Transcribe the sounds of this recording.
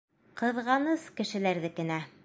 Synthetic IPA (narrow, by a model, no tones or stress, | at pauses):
qɤ̆ðʁɑnɤskɘ̆ʃɘ̆læɾðɘkɘ̆næ